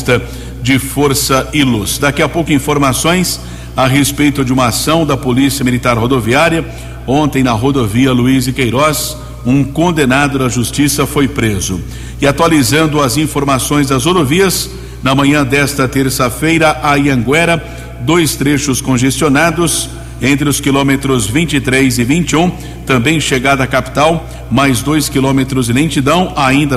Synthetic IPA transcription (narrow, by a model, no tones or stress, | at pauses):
t̪ɐ | d͡ʒɪfoɾsɐɪlusd̪akiɐpowkʊĩfoɾmasõj̃s | aɦespejt̪ʊd͡ʒɪũmɐasɐ̃w̃d̪ɐpolisiɐmilit̪aɾɦod̪oviaɾjɐ | õnt̪ẽj̃nɐɦod̪oviɐluizɪkejɾɔs | ũkõnd̪enad̪ʊd̪ɐʒust͡ʃisɐfojpɾezʊ | ɪat̪walizɐ̃nd̪ʊɐzĩfoɾmasõj̃zd̪ɐzod̪oviɐs | nɐmɐ̃ɲɐ̃d̪ɛst̪ɐt̪eɾsɐfejɾɐʔaiɐ̃ŋɡwɛɾɐ | d̪ojst̪ɾeʃʊskõʒest͡ʃionad̪ʊs | ẽnt̪ɾɪʊskilõmet̪ɾʊzvĩnt͡ʃit̪ɾezɪvĩnt͡ʃiũ | t̪ɐ̃mbẽj̃ʃeɡad̪ɐkapi̥t̪aw | majzd̪ojskilõmet̪ɾʊzɪlẽt͡ʃid̪ɐ̃w̃aĩnd̪ɐ